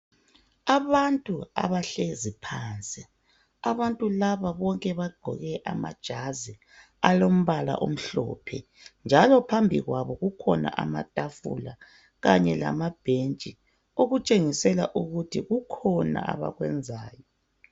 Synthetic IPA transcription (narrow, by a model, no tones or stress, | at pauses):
aβantʼua̰βaɬezipʰaːnt͡sʼi | aβantʼulaβaβɔŋkʼɛβaɡ͡ǃʱɔ̰ɣɛʔamad̥ʒ̥ʱazi | alom̩βala̰ʔom̩ɬɔ̰ːpʰɛ | nd͡ʒʱalɔpʰambʱiɣwaβɔɣukʰɔna̰ʔa̰matʼafṵla | ɣaɲɛla̰mab̥ʱent͡ʃʼi | oɣut͡ʃʼeŋisɛla̰ʔuɣutʰiɣukʰɔna̰a̰βa̰ɣwɛnd͡zʱaːjɔ